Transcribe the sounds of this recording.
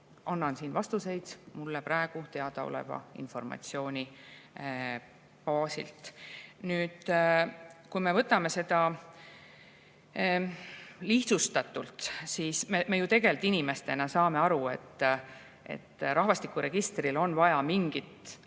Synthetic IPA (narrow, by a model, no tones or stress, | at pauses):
ɑnːɑnsiːnvɑst̪use̞jd̪̥mulːepɾʔæeɡ̥ut̪e̞ɑd̪ɑo̰lḛvɑ̰ḭnfo̞rmɑ̰t̪sio̞ːnʲi | pɑːsḭlt̪ˑnyːd̪̥ | kujme̞vɤt̪ːˑɑme̞se̞d̪ɑ | liht̪sust̪ɑt̪ːˑult̪siːsmemejut̪e̞ɡe̞lt̪ːinʲime̞st̪e̞nɑsɑːme̞ɑɾue̞t̪ːˑ | ʔe̞̰t̪ːɾɑɦvɑst̪ikːˑuɾe̞ɡ̥ist̪rilo̞nvɑjɑmiŋɡit̪